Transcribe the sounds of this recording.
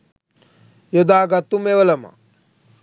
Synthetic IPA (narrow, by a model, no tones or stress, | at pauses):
jod̪aːɡɐt̪umeʋɐlɐmɐ̰